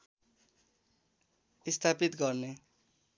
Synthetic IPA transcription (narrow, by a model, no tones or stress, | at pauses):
ist̪ʰapit̪ɡʌrne